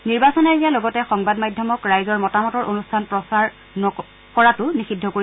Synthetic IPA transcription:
niɹbasɔnajɡijalɔɡɔtɛxɔŋbadmajdʱjɔmɔkɹajzɔɹmɔtamɔtɔɹʔonustʰanpɹɔsaɹ | nɔ | kɔɹatʊnixidʱːɔkoɹi

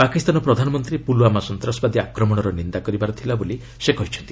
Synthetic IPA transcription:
pakist̪anɔpɾɔd̪ʱanɔmɔnt̪ɾipulwamasɔnt̪ɾɔsɔbad̪iakɾɔmɔɽ̃ɔɾɔnind̪akɔɾibaɾɔt̪ʰilaboli | sekɔɦit͡ʃʰɔ̥nt̪i̥

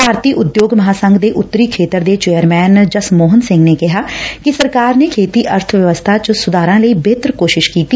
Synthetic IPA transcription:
paːɾt̪iːʔʊd̪joːɡməɦaːsəŋɡd̪eːʔʊt̪ːəɾiːkʰeːt̪əɾd̪eːt͡ʃeːəɾmɛːnd͡ʒəsmoːɦənsɪ̃ŋɡneːkɪɦaːkɪsəɾkaːɾneːkʰeːt̪iːʔəɾt̪ʰəʋjəʋəst̪ʰaːt͡ʃəsʊd̪aːɾãːləiːbeːt̪ɾkoːʃɪʃkiːt̪iː

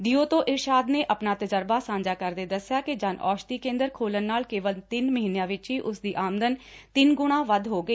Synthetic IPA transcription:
d̪iːoːt̪õːʔɪɾʃaːd̪neːʔəpnaːt̪əd͡ʒəɾbaːsãːɲd͡ʒaːkəɾd̪eːd̪əsɪjaːkɪd͡ʒaːnʔɔːʃt̪iːkẽːnd̪əɾkʰoːlənːaːlkeːʋəlt̪ɪnməɦiːnejãːʋɪt͡ʃɦiːʔʊsd̪iːʔaːməd̪ənt̪ɪnɡʊɽ̃ãːʋəd̪ɦoːɡəiː

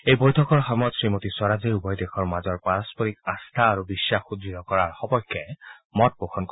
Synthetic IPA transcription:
ejbɔjtʰɔkɔɹxamɔtsɹimotiswaɹaziɹubɔjdekʰɔɹmazɔɹpaɹaspɔɹikãst̪ʰaːɹubisːaxudɹit̪ɔkɔɹaɹxɔbɔjkʰːɛmɔt̚bokʰɔnkɔ

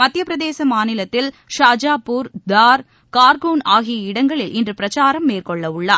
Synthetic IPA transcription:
mɐt̪ːjɐpɪɾɐðeːsɐmaːnɪlɐt̪ːɪl | ʂaːd͡ʒaːpːuːɾd̪aːɾ | kaːɾkuːnaːɣɪjɐɪɽɐŋɡɐɭɪlɪndrɯpɪɾɐt͡ʃaːɾɐmːeːrkɔɭːɐʊɭːaː

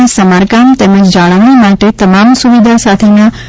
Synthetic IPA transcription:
ẽsɐmaːɾkaːmt̪ɛ̃ːməd͡ʑd͡ʒaːɭəʋ̃ĩmaːʈet̪ɐmaːmsuʋid̪ʱasaːt̪ʰemã

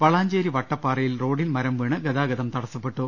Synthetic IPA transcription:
pɐɭaːɲd͡ʑeːɾiʋɐʈːɐpːaːrɐjilro̞ːɽilmɐɾɐmʋiːɳɨɡɐðaːɡɐðɐmt̪ɐɽɐsːɐpːe̞ʈːu

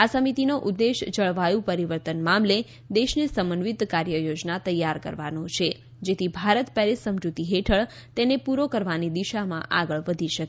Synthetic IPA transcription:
asəmit̪inoʔud̪ːeʃd͡ʒəɭʋajũpəɾiʋəɾt̪ənmamle | d̪eʃnesəmənʋit̪kaɾjəjod͡ʒnat̪əjːaɾkə̰ɾʋanõt͡ʃʰe | d͡ʒet̪ʰibʱaɾət̪pɛɾisəmd͡ʒut̪iɦeʈʰəɭ | t̪enepuɾokəɾʋanid̪iʃamã̰ʔa̰ɡəɭʋəd̪ʱiʃək

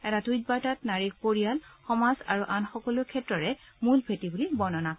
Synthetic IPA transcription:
ɛtatujt̚baɹtatnaɹik̚poɹijalxɔmazaɹuʔanxɔkɔlʊkʰɛtɹɔɹɛ | mulbʰʱetibulibɔnɔna

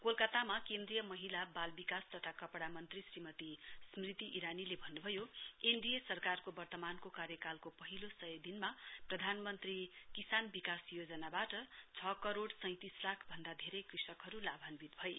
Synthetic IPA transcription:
kolkʌt̪amakend̪rijʌmʌɦilabalbikast̪ʌt̪ʰakʌpɽamʌnt̪risrimʌt̪ismrit̪iʔiɾanilebʱʌnːubʱʌjoenɖijesʌrkarkobʌrt̪ʌmankokaɾjʌkalkopʌɦilosʌjd̪inmaprʌd̪ʱanmʌnt̪rikisanbikasjod͡zʌnabaʈʌt͡sʰʌkʌɾoɽsʌ̃j̃t̪islakʰbʱʌnd̪ad̪ʱeɾʌjkrisʌkɦʌɾulabʱʌnbit̪̚bʱʌj

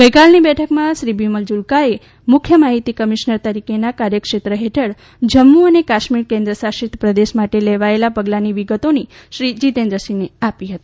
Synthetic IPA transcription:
ɡəjkalnibɛʈʰəkmãʃɾibiməld͡ʒulkae | mʊkʰjəmaɦit̪ikəmiʃnəɾt̪əɾikenakaɾjəkʃet̪ɾəɦeʈʰəɭ | d͡ʒəmːuənekaʃmiɾkẽnd̪ɾəsaʃit̪ʰpɾəd̪eʃmaʈeleʋaelapəɡlaniʋiɡət̪oniʃɾid͡ʒit̪ẽnd̪ɾəsineapiɦət̪ii

